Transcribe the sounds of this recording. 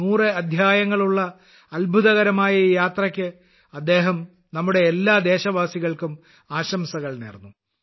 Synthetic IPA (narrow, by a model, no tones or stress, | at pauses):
uːrɨɐd̪ʱjaːjɐŋːɐɭuɭːɐ | ɐlbʱuðɐɣɐɾɐmaːjɐjaːt̪rɐkʲːɨ | ɐd̪ːe̞ːɦɐm | nɐmːuɽe̞ːlːaːd̪e̞ːɕɐʋaːsiɣɐɭkum | aːɕɐmsɐɣɐɭnḭːrnːu